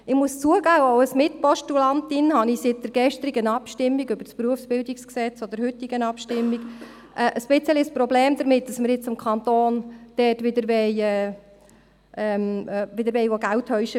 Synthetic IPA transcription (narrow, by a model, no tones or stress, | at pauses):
ɪmuəst͡suəɡaːoʊəsmɪt̚pɔʃtulɑntɪnhɑnisɪt̚d̥əɾɡɛʃtɾiɡənɑpʃtɪmːiɡøbəɾspɾuəfsb̥ɪldɪksksɛt͡sod̪əɾhʏtːiɡənɑpʃtɪmːiɡ | ʔɛːʔəsb̥ɪt͡səlispɾɔblɛːmdəɾmɪt̚d̥ɑsməɾjɪt͡sɪmkʰɑnt̪oːnd̥ɛːtʋɪd̪əɾʋɛɪɛː | ʔɛmʋɪd̪əɾʋɛɪʋoɡælthœɥʃə